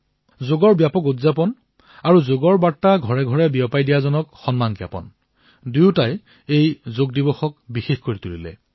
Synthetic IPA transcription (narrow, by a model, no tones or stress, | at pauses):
zoɡɔɹbjapɔkutzapɔn | aɹuzoɡɔɹbaɹtːaɡʱɔɹɛɡʱɔɹɛbiɔpajdijazɔnɔkxɔnmankija̰pɔ̰n | duʊtaj | ejzoɡ̚dibɔxɔkbixexkoɹitulilɛ̰